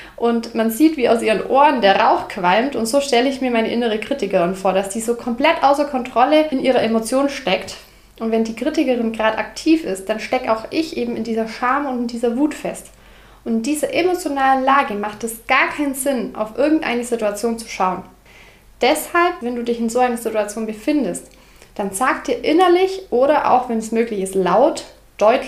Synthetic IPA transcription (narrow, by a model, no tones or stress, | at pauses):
ʔʊntmanziːtv̥iːaʊsʔiːʁənʔoːʁəndeːɐʁaʊxkʰv̥almtʊntz̥oːʃtɛləɪçmiːɐmaɪnəʔɪnəʁ̞əkʁ̥itɪkəʁɪnfoːɐɾasd̥iːzoːkʰɔmpl̥ɛtʔaʊsɐkʰɔntʁ̥ɔləɪnʔiːʁ̞ɐʔemot͡sjoːnʃtɛkt | ʔʊntvɛndiːkʁ̥itɪkəʁɪnɡʁaːdʔa̰ktʰiːfɪst̚d̥anʃtɛkəaʊxʔɪçʔeːbm̩ɪndiːzɐʃaɐmʊntɪndiːzɐvuːtfɛst | ʔʊntɪnd̥iːzɐʔemot͡sjonaːlənlaːɡəmaχt̚d̥asɡ̥aːɐkʰaɪnzɪnʔa̰ʊfʔɪɐɡŋ̩tʔa̰ɪnəzɪtuat͡sjoːnt͡su̥ʃaʊən | d̥ɛshalpvɛnduːdɪçɪnzoːʔaɪnɐzɪtuat͡sjoːnbəfɪndəst | d̥ant͡saːktd̥iːɐʔɪnɐlɪçʔoːɾɐʔa̰ʊxvɛnɛsmøːklɪçɪstlaʊt | d̥ɔʏt